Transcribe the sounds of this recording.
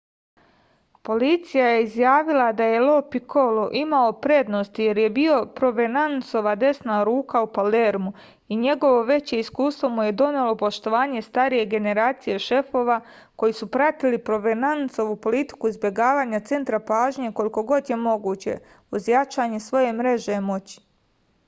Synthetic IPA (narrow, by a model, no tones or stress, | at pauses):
po̞lit̪sijajeizjaːʋilˠad̪aje̞lo̞pikoloʔimaopɾe̞d̪no̞st̪ije̞ɾje̞bio̞pɾo̞ʋenanso̞ʋad̪e̞snaɾuːkaupale̞ɾmu | iɲe̞ɡo̞ʋo̞ʋe̞t͡ɕe̞iskuːst̪ʋo̞muje̞d̪o̞nelo̞po̞ʃt̪o̞ʋaːɲe̞st̪aɾije̞ɡe̞ne̞ɾaːt̪sije̞ʃe̞fo̞ːʋa | ko̞jisupɾat̪ilipɾo̞ʋenanso̞ʋupo̞lit̪i̥kuizbje̞ɡaːʋaːɲat̪se̞nt̪ɾapaːʒɲe̞ko̞liko̞ɡo̞d̪je̞mo̞ɡuːt͡ɕe̞̰ | uzjat͡ʃaːɲesʋo̞je̞mɾe̞ʒemo̞t͡ɕi̥